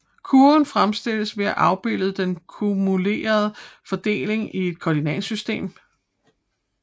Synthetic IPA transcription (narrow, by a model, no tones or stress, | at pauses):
kʰunfʁamsd̥e̝l̰əsʋe̝æʔɑ̈ʊb̥e̝l̰ð̩ˠd̥enkʰumule̝̰ːɐð̞̩ˠəfɒ̽d̥e̝̰ːle̝ŋʔie̝d̥̚kʰɒd̥inɛ̰nsysd̥e̝̰ːm